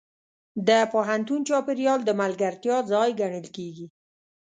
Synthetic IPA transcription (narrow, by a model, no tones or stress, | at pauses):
d̪əpoɦant̪unt͡ʃɑpɪɾjɑld̪əmalɡaɾt̪jɑzɑjɡaɳəlkeɡi